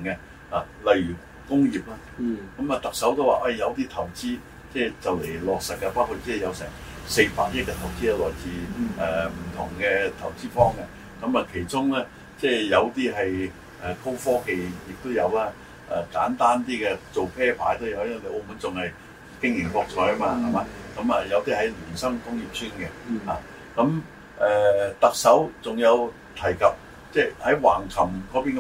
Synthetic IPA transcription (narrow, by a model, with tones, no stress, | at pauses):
ŋɛ˧ | aː˨˩ | lɐ˨jɥyː˨˩ | kʊ˥ŋjiː˨p̚laː˧kɐ˨˥mɐ˨t̪ɐ˨k̚sɐ˨˥wt̪o˥waː˨˧ʔɐ˧jjɐ˨˧wt̪iː˥t̪ʰɐ˨˩wt͡siː˥ | t͡sɛː˥˩t͡sɐ˨wle˨˩jlɔː˨k̚sɐ˨k̚kːɐ˧paː˥wkʰu˨˧˩t̚t͡sɛː˥˩jɐ˨˧wsɛː˨˩ŋ | se˧jpa̰ː˧k̚jɐ˥kɛː˧t̪ʰɐ˨˩wt͡siː˥ɛ˥˩lɔː˨˩jt͡siː˨˩ɛː˨˩m̩˨˩t̪ʰʊ̰˨˩ŋkɛ˧t̪ʰɐ˨˩wt͡siː˥fɔː˥ŋkɛ˧ | kɐ˨˥mɐ˨kʰe˨˩jt͡sʊ˥ŋlɛː˥ | t͡sɛː˥˧˩jɐ˨˧wt̪iː˥ɦɐ˨j | ɛː˨˩kʰo˥wfɔː˥ke˨jjɪ˨k̚t̪o˥wjɐ˨˧wlaː˧ | ʔɛ̰˨˩kaː˨˥nt̪aː˥nt̪iː˥kɛ˧t͡so˨wpʰɛː˥pʰa̰ː˨˥jt̪o˥wjɐ˨˧wjɐ˥ŋwɐ˨˩kʔo˧muː˨˥nt͡sʊ˨ŋhɐ˨j | kɪ˥ŋjɪ˨˩ŋfɔː˧k̚t͡sʰɔː˨˧˥jɐ˥maː˧hɐ˨maː˨˧kɐ˨˥mɐ˨jɐ˨˧wt̪iː˥hɐ˨˥jlyː˨˩nsɐ˥ŋkʊ˥ŋji˨p̚sʰyː˥nkɛ˧a̰ː˨˩ | kɐ˨˧˥m | ʔɛː˨˧t̪ɐ˨k̚sɐ˨˥wt͡sʊ˨ŋjɐ˨˧w | t̪ʰɐ˨˩jkɐ˨p̚ | t͡sɛː˥˧˩hɐ˨˥jwaː˨˩ŋkʰɐ˨˩mkɔː˨˥piː˥nk